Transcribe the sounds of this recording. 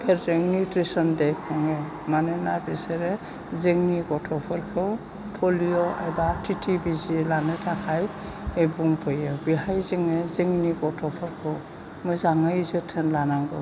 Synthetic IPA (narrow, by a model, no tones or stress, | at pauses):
pʰɛtzeŋnitɹisɔndejkʰɔŋɛ | manɛnabiseɾɛ | zeŋniɡɔtʰɔpʰɔɾkʰɯw | pʰɔlijɔʔa̰jbatʰitʰibizilanetʰakʰaj | ebuŋpʰɔjebiɦajzeŋezeŋniɡɔtʰɔpʰɔɾkʰɯw | mɔjzaŋazɯtʰɛnlanaŋɡɯ̰w